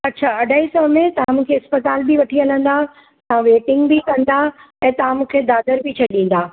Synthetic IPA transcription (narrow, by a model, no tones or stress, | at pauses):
ɐtːɕʰaːɐɖʱaisɔɦmẽt̪ɐʋ̤ãmũːkʰeɪspət̪aːlbiʋɐʈʰiɐlə̃nd̪a | t̪ɐãʋeːʈɪ̃ŋɡbikɐ̃nd̪a | ɛ̃ːt̪ɐʋ̤ãmũːkʰed̪aːd̪əɾbit͡ɕʰɐɗĩːnd̪aː